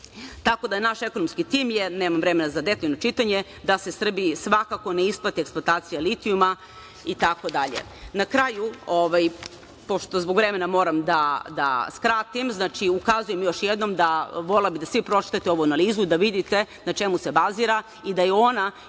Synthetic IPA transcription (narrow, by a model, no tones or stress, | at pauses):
t̪ako̞d̪ajenaʃe̞ko̞nomskit̪iːmjene̞ːmamvɾeme̞nazad̪e̞t̪no̞t͡ʃit̪aɲe̞ | d̪asesr̩bisʋakako̞neisplˠat̪ieksplˠoat̪aːt̪sijalit̪iuma | it̪ako̞d̪aʎḛnakɾajuoʋaj | po̞ʃt̪o̞zboɡʋɾe̞me̞namo̞ɾamd̪ad̪a̰skɾaːt̪imznaːt͡ʃiukazuje̞mjo̞ʃjed̪no̞md̪aʋo̞labid̪asʋipɾo̞t͡ʃi̥t̪at̪eo̞ʋuanaliːzuid̪aʋid̪it̪e̞ | nat͡ʃe̞muse̞baziːɾa | id̪ajeo̞na